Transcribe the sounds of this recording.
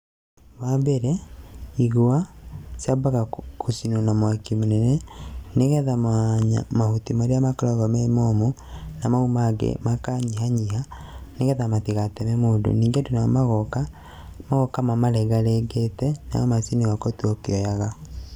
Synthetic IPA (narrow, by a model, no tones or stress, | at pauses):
wabɛɾeiɣoasabaɣakusinonamwakimonɛnɛneɣɛðamaɲa̰mahutimaɾeamakaɾɔɣɔmɛmɔmo | namaumaɡḛmakaɲihaɲiɦaneɣɛðamatiɣatɛmɛmoːdo̰niːŋɡedunamaɣɔka | maɣɔkamamaɾɛɡaɾeɡetɛna̰ɔmasineɣakotuɔkeɔjaɣa